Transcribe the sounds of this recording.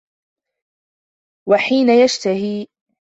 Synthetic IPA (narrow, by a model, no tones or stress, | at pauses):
waħiːnajaʃt̪ahiː